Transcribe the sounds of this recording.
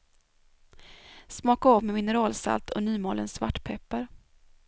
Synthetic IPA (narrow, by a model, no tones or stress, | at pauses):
smɑːkaavmɛmɪnəɾɑːlsa̰lt̪ʰɔnyːmoːlənsva̰ʈːpʰɛpːaɾ